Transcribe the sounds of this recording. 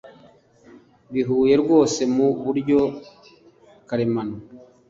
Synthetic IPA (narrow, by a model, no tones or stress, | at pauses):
βiɦuːje̞ɾɡo̞ːse̞muβuɾɟo̞ | kaɾemano